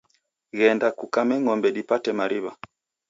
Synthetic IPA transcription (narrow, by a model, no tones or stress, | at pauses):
ɣɛndakukamɛŋɔmbɛɗipatɛmaɾiβa